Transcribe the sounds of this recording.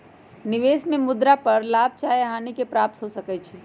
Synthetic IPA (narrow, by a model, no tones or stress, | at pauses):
nɪʋeːsmẽmʊd̪ɾapəɾlaːb̚ʱt͡ʃaːjeɦaːnikepɾaːp̚t̪ɦosəkət͡ʃʰɛ